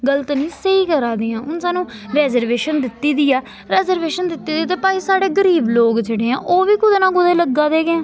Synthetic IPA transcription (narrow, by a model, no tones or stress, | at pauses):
ɡələt̪nĩːsəiːkəɾaːd̪iːãːʔʊnsaːnũːɾɛːzəɾʋeːʃənd̪ɪt̪ːiːd̪iːaː | ɾɛːzəɾʋeːʃənd̪ɪt̪ːiːd̪iːt̪̬eːpaːiːsaːɽeːɡəɾiːbloːkd͡ʒeːɽeːɛ̰̃ːʔoːʋiːkʊd̪eːnãːɡʊd̪eːləɡːaːd̪eːɡeɛ̃ː